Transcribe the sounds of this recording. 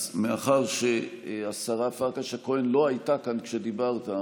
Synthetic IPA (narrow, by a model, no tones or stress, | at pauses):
meaχaʁʃeasaʁafaʁkaʃakoenlo̞ajtakankʃed̪ibaʁta